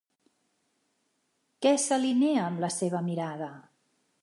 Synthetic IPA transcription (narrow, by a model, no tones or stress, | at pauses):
kɛsəlineəːmləseβ̞əmiɾaðə